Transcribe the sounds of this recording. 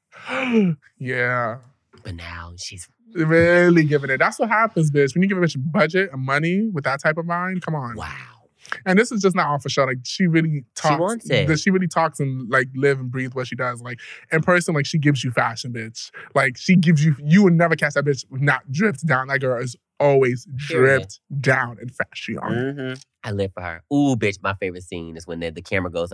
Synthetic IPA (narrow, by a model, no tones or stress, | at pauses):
jæ | b̥ʌt̚ⁿna̰ʊʃi | ɹɪlˠiɡɪvɨ̃ŋɨt̚ðætswʌt̚ɦæpɨ̃nzðɪswɨ̃njɨɡɪvəbɪt͡ʃɨbʌd͡ʒɨɾ̚ɨ̃nmʌniwɨðətʰaɪpʌvmãɪ̃nkʰʌ̃mə̃nwa̰ʊ | ɨ̃nðɪsɨzd͡ʒʌs̬nəɾɔfəʃoʊlaɪkʃiɹɪlˠitʰɔwɑ̃nɨʃiɹɪlˠitʰɔksɨ̃nlaɪk̚lɪṽnbɹiðwʌtʃidʌzlaɪkɨ̃npʰɜ˞sə̃nlaɪkʃiɡɪvzjɨfæʃɨ̃nbɪt͡ʃlaɪkʃiɡɪvzjɨjɨwədⁿnɛvə˞kʰæs̚ðə˞bɪt͡ʃnət̚dɹɪp̚t̚d̥ãʊ̃nðɨt̚ɡ̥ɜ˞lˠɪz | ɔlˠwizdɹɪp̚td̥ãʊ̃nɨ̰̃nfæʃɨə̰̃n̩ | aɪlɪv̥fə˞ə̰˞ubɪt͡ʃmaɪfeɪvɹɨtsḭ̃nɨzwə̃nɨðɨkʰæɹmə˞ɡoʊz